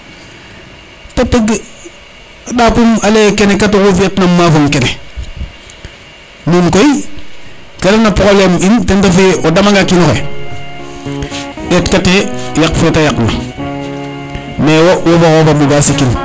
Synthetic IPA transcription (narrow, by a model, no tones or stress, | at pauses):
tateɡ | adapumalekenekatokufijatnamːafoŋkene | munkoi | kaɾanapɾoblemintentafeodamaŋɡakinoxḛ | etkatejakfetajakna̰ | mewowofaxofambuɡasikin